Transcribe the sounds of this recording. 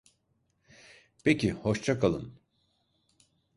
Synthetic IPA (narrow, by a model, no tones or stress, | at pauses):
pʰecʰihoʃt͡ʃʰakʰalˠɯ̰n